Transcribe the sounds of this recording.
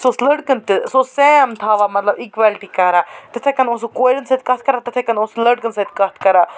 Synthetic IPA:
sosləɽkənt̪ɨsosemt̪ʰaːʋamɐt̪lɐbikʋaːlʈikɐɾat̪ɐt̪ʰekɐnosokoːɾənsɐt̪̚kɐt̪̚ʰkɐɾat̪ɐt̪ʰekɐnoslɐɖ̚kənsɐt̪̚kɐt̪ʰkɐɾa

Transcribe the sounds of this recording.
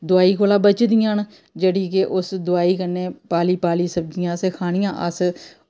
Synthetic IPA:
d̪ʊaːiːkʰoːlãːbət͡ʃd̪ɪjãːn | d͡ʒeːɽiːkeʔʊsd̪ʊaːiːkəɾneːpaːliːpaːliːsəb̚d͡ʒɪjãːskʰaːɽ̃ɪjãːʔəs

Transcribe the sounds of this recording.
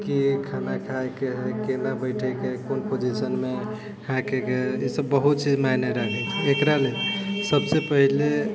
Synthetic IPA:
kikʰanakʰajkeɦkenabəɪʈʰɛkekonpod͡ʒisənme | ɦãkekeisəbːəɦut̪̚t͡ʃid͡ʒmaneɾakʰɛt͡ʃʰɛːkɾalesəbsepəɦile

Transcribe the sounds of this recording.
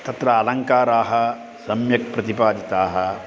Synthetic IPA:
t̪ɐt̪ɾɐːlɐŋkaːɾaːɦɐ | sɐmjɐk̚pɾɐt̪ipaːd͡ʒ̪it̪aːɦɐ̆

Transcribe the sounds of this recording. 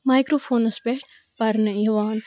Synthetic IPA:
maːjkɾoːfʰoːnɐspeʈ | pɐɾnəjɐʋaːn

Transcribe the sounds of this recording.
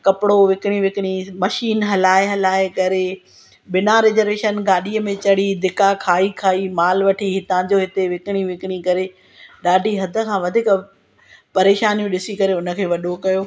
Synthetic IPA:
kɐpɪɽoʋɪkɪɽ̃iʋɪkɪɽ̃imɐʃiːnɦɐlaːeɦɐlaːekɐɾe | ɓɪnaɾeːd͡ʑəɾeːʃənɡaːɗiːəmẽt͡ɕɐɽ̤id̪ɪkakʰaːikʰaːimaːlʋɐʈʰiɦɪt̪ãːd͡ʑoɦɪt̪eʋɪkɪɽ̃iʋɪkɪɽ̃ikɐɾe | ɗaːɖʱiɦɐd̪ʱə̆kʰãːʋɐd̪ʱiːk | pɐɾeːʃaːnijũɗɪsikɐɾeʊnə̆kʰeːʋɐɗokɐjoː

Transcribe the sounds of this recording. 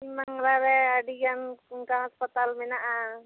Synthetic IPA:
imaŋɾaɾɛadiɡanuŋkaɦɔspat̪almɛnaʔa

